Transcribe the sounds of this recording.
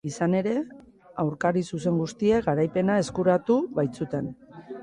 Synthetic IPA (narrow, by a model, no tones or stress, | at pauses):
isane̞ɾe̞ | awɾkaɾisuse̞ŋɡust̪ieɡaɾajpe̞nae̞skuɾat̪uβajt͡sut̪e̞n